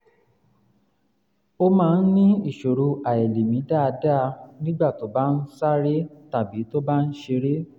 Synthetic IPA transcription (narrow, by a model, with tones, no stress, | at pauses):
o˧mãː˦˧n̩˦nĩ˦i˦˨ʃo˨ɾo˧ʔa˨ɛ˨le˨mĩ˨˦da˦˨˧da˦˧nĩ˦ɡ͡ba˦˨to˨˦ba˦n̩˦sa˦ɾe˦ta˨bi˨˦to˦ba˦n̩˦ʃe˧ɾe˦